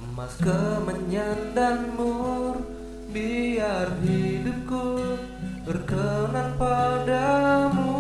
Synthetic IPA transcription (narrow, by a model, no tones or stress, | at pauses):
makəməɲandanmur | biarɦidup̚ku | bərkənanpadamu